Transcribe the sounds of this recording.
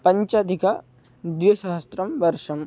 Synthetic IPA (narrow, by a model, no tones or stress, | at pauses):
pɐɲt͡ʃaːd̪ʱika | d̪ʋiɐʃaɦɐst̪ɾɐmʋɐɾʂɐm